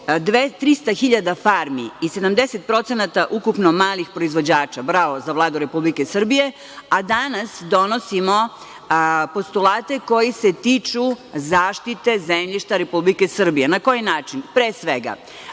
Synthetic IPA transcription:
d̪et̪ɾist̪axiʎad̪afaɾmiise̞d̪amd̪eset̪̚pɾo̞t̪senat̪aʔukupnomaːlixpɾo̞izʋo̞d͡ʑaːt͡ʃabɾaʋo̞zaʋlˠaːd̪uɾe̞publike̞sr̩bije̞ | ad̪anasd̪o̞nosimo̞ | po̞st̪ulˠaːt̪e̞ko̞jise̞t̪it͡ʃuzaːʃt̪it̪e̞zemʎiʃt̪aɾe̞publike̞sr̩bijenako̞jinaːt͡ʃinpɾeːsʋeɡa̰

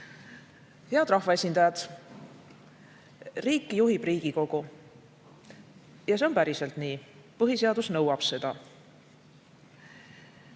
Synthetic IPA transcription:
he̞ɑd̪̥rɑhvɑe̞sʲind̪̥ɑjɑd̪̥ | riːkːˑijuɦib̥riːɡ̥iko̞ɡ̥u | jɑseo̞npæɾiselt̪niːpɤɦise̞ɑd̪usnɤwɑb̥se̞d̪̥ɑ̰

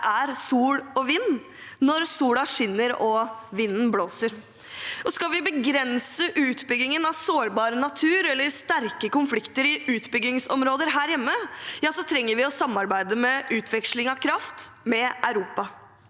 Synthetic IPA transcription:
æɾsuːɽɔʋinː | nɔɾsuːɽɑʂɪnːəɾɔʋɪnːn̩bloːsəɾ | ɔskɑlʋɪbəɡɾɛnsəʔʉːt̪bʏɡɪŋənɑʋsoːɾbɑːɾənɑt̪ʰʉːɾɛlːəɾst̪æɾkəkʊnflɪkt̪əɾɪʉːt̪bʏɡɪŋsɔ̰mɾoːd̪əɾɦæːɾjɛmːəjɑːsɔt̪ʰɾɛŋːəɾʋɪɔsɑmːɑɾbæɪd̪əmɛʔʉːt̪ʰʋɛkʂlɪŋɑkʰɾɑft̪mɛʔæʉɾuːpɑ

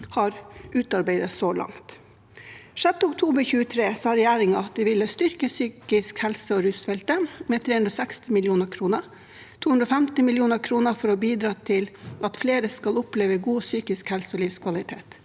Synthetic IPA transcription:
hɑɾʔʉːt̪ɑɾbæɪd̪əsoːlʔɑ̰ŋt̪ | ʂɛt̪ːəʊkt̪ʰuːbəɾçʉːət̪ʰɾeːsɑːɾɛjæːɾɪŋɑɑt̪̚d̪ɛʋɪlːəst̪ʏɾkəsyːkɪskhɛlsəɔɾʉːsfɛlt̪əmɛːt̪ʰɾeːhʉnɾɔsækst̪ɪmɪljuːnəkʰɾuːnə | t̪ʰuːʉnd̪ɾoɔfɛmt̪ɪmɪljuːnəkʰɾuːnəfɔɾɔbiːd̪ɾɑːt̪ʰɪlʔɑt̪fleːɾəskɑlʊpleːʋəɡuːsyːkɪskhɛlsəɔlɪʋskʰʋɑlɪt̪ʰḛːt̪

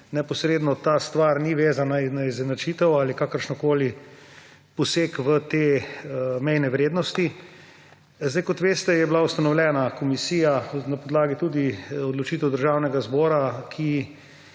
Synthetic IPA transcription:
nɛpɔsɾeːd̪nɔt̪aːst̪ʋaɾniʋeːzanainaizɛnat͡ʃiːt̪ɛwalikakəɾʃnɔkoːli | pɔseːkʋət̪eː | mɛjnɛʋɾeːd̪nɔst̪i | zd̪ajkɔt̪ʋeːst̪ɛjɛblaust̪anɔwlʲɛːnakɔmisiːjanapɔd̪laːɡit̪ud̪iɔd̪lɔt͡ʃiːt̪ɛwd̪əɾʒawnɛɡazbɔːɾakʰi

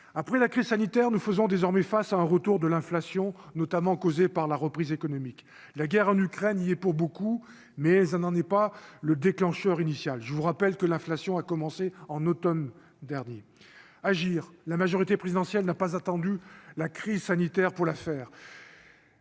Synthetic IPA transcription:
apχɛlakχizsanit̪ɛʁnufəzɔ̃d̪ezɔʁmɛfasaɛ̃ʁət̪uʁd̪əlɛ̃flasjɔ̃nɔt̪amɑ̃kozepaʁlaʁəpχizekɔnɔmik | laɡʲɛʁɑ̃nykχɛniɛpuʁboku | mɛsɛnɑ̃nɛpaləd̪eklɑ̃ʃœʁinisjalʒəvuʁapɛlkəlɛ̃flasjɔ̃akɔmɑ̃seɑ̃nɔt̪ɔm | d̪ɛʁnje | aʒiːʁlamaʒɔʁit̪epχezid̪ɑ̃sjɛlnapazat̪ɑ̃d̪ylakχizsanit̪ɛʁpuʁlafɛːʁ

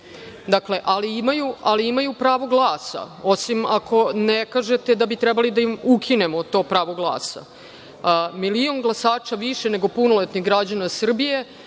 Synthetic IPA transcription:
d̪akle̞ʔaliimajualiimajupɾaːʋo̞ɡlˠaːsa̰o̞simakʰo̞nekaːʒe̞t̪ed̪abit̪ɾɛbalid̪aimukʰine̞mot̪o̞ːpɾaːʋo̞ɡlˠa̰ːsa̰ | milio̞ŋɡlˠasaːt͡ʃaʋiʃene̞ɡo̞punolet̪nixɡɾad͡ʑanasr̩bije̞

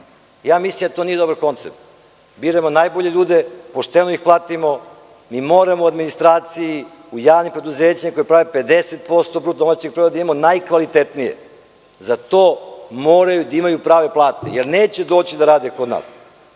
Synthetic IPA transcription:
jaːmislˠimd̪at̪oːnijed̪obaɾko̞nt̪sep̚t̪ | biːɾamo̞naːjboʎeʎuːd̪epoʃt̪enoixplˠaːt̪imo | miːmoːɾamouad̪minist̪ɾaːt̪siji | ujaːʋnimpɾe̞d̪uzeːt͡ɕamako̞jepɾaʋepe̞d̪eset̪̚po̞st̪o̞bɾuːt̪̚d̪o̞mat͡ɕeɡ̚pɾod̪ad̪imamonajkʋalit̪et̪nijḛ | zat̪oːmoːɾajud̪aimajupɾaːʋe̞plˠaːt̪ḛjeɾneːt͡ɕed̪o̞ːt͡ɕid̪aɾaːd̪eko̞d̪na̰ːs

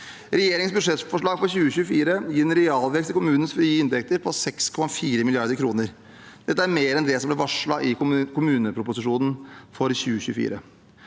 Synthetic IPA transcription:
ɾɛjeːɾɪŋsbʉd̪ʂɛt̪fɔʂɭɑːɡfɔɾçʉːəçʉːəfiːɾəjiːɾɛnɾɛɑːlʋɛkst̪ɪkʰʊmʉːnən̩sfɾyːɪnt̪ɛk̚t̪əɾpʰɔsɛkskʰɔmɑfiːɾəmɪlɪɑɾd̪əɾkʰɾuːnəɾ | d̪̥ɛt̪ːəæɾmeːɾɛnd̪ɛsɔmblɛʋɑʂɭɑʔɪkʰʊmʉːnəpʰɾʊpʊsɪʂuːnn̩fɔɾçʉːəçʉːfḭːɾə

